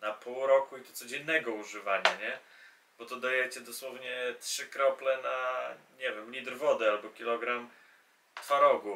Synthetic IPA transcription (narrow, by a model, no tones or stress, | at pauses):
napuwɾɔkuit̪ɔt̪sɔd͡ʑɛnːɛɡɔuʐɘvaɲaɲɛ | bɔt̪ɔd̪ajɛt͡ɕɛd̪ɔswɔvɲɛtʂɘkɾɔplɛnaɲɛvʲjɛmlʲid̪ɾvɔd̪ɛalbɔkʲilɔɡɾam | t̪faɾɔɡu